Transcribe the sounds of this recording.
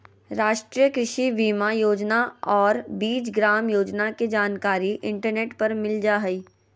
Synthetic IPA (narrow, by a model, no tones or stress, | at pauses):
ɾaːʃʈɾijəkɾɪʃibiːmajoːd͡ʒnaɔːɾbiːt͡ʃɡɾaːmjoːd͡ʒnaked͡ʒaːnkaːɾiʔɪ̃ɳʈəɾneːʈpɐɾmɪld͡ʒaːɦɐiː